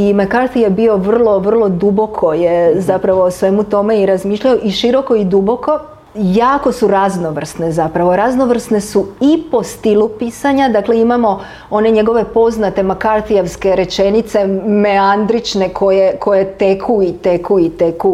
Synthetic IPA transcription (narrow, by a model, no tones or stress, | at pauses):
imakaɾt̪ijebio̞ʋr̩lˠo̞ʋr̩lˠo̞d̪ubo̞kʰo̞jezapɾaʋo̞sʋe̞mut̪o̞me̞iɾazmiːʃʎaoʔiʃiɾo̞ko̞id̪ubo̞ko̞ | jaːko̞suɾazno̞ʋr̩st̪ne̞zapɾaʋo̞ɾazno̞ʋr̩st̪ne̞suipo̞st̪ilupisaɲad̪akle̞imamo̞ | o̞ne̞ɲe̞ɡo̞ʋe̞po̞znat̪e̞makaɾt̪ijeʋske̞ɾe̞t͡ʃe̞nit̪se̞me̞and̪ɾit͡ʃne̞kʰo̞jeko̞jet̪ekʰuit̪ekʰuit̪eku